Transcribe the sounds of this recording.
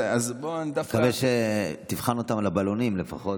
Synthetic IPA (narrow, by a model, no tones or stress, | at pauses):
azbond̪akaveʃet̪ivχanot̪amalabalo̞nimle̞fa̰χo̞